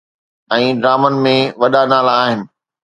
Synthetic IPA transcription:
ɛ̃ːɖɾaːmənmẽʋɐɗanaːlaːɦɪnɪ̆

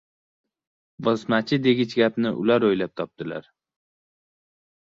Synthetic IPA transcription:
bɒsmat͡ʃʰɪd̪e̞ɡʲɪt͡ʃɡʲapnɪʔʊ̰laɾojlap̚t̪ʰɒp̚t̪ɪla̰ɾ

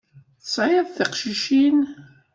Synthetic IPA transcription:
θə̥sˤʕɪðθəqʃiʃin

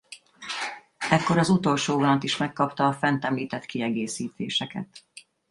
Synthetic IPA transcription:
ɛkːo̞ɾɒzut̪o̞lʃoːvɒnɒt̪iʃmɛkːɒpt̪ɒːfɛnt̪ɛmliːt̪ɛt̪kiɛɡeːsiːt̪ʰeːʃɛkɛ̰t̪

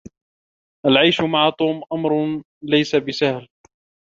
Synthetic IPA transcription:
ʔalʕajʃmaʕat̪ˤuːmʔamɾˤ | lajsabɪsahl

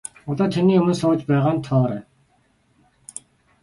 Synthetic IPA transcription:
ɔt̪ɔːt̪ʰeniːjʊmə̆nsʊːt͡ɕpæːʁaːnt̪ʰɔːɾæː

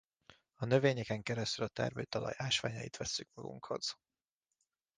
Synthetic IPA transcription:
ɒnø̞veːɲɛkɛŋkɛɾɛst̪ylɒt̪ɛ̰rmøːt̪ɒlɒ̰jaːʃʋa̰ːɲɒjit̪ʋɛsːykmɒɡṵŋkho̞̰z̥

